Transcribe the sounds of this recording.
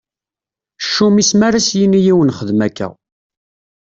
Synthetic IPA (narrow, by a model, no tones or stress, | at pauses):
ʃːumismæɾasjinijiwənχəðmækːæ̰